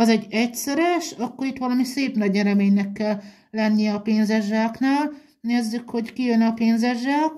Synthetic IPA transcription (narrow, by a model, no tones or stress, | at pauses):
ɒzɛɟːɛcsɛɾɛʃɒkːo̞ɾit̪ʋɒlɒmiseːpnɒɟɛɾɛmeːɲnɛkːɛlː | ɛnːijɛɒpeːnzɛʒaːknaːl | neːzːykho̞ckijønɒpeːnzɛʒaːk